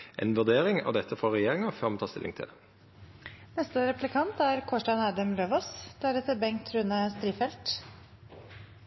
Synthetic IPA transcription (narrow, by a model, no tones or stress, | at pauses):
ʔɛ̰ːnʋʉʁd̪eːʁɪŋɑ̰ʋd̪ɛt̪ʰːəfɔʁɛjeːʁɪŋɑføːʁmɑnʰɑːst̪ɪ̰lʔɪ̰ŋt̪ʰɪ̰l | nɛst̪əɾɛplɪkʰɑnt̪æɾkʰɔʂʈɑnæːd̪əmløːʋɔsd̪̥æɾɛt̪ʰəbɛŋt̪ʰɾʉnəst̪ɾiːfɛlt̪